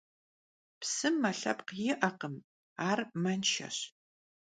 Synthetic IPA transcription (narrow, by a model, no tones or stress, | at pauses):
psɨmːɐɬɐpqjɪʔɐqəm | aːrmɐnʃɐ̰ɕ